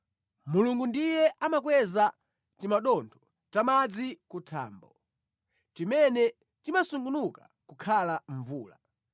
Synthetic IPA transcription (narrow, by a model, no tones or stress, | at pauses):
muluŋɡundijɛʔamakwɛza | timaɗɔntʰɔ̥ | tamad͡zikutʰa̰ːmbɔ̰ | t͡ʃimɛnɛ | timasuŋɡunuka | kukʰalaɱvuːla